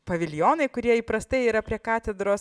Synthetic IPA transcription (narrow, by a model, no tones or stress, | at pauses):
pɐʋʲɪlʲjoːnɐɪkʊɾʲiɛiːpɾɐst̪ɐɪiːɾɐpʲɾʲiɛkɑːt̪ʲɛd̪ɾoːs